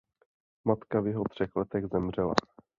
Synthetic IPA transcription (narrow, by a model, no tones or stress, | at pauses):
mat̪kavjɛɦot̪r̝̥ɛxlɛt̪ɛɣzɛmr̝ɛla̰